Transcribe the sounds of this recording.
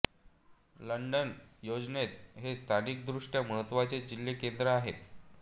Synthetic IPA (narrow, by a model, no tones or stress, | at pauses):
ləɳɖənjod͡ʑnet̪ɦest̪ʰanik̚d̪ɾuʂʈjaməɦət̪ːʋat͡sed͡ʑilːekend̪ɾəaɦḛt̪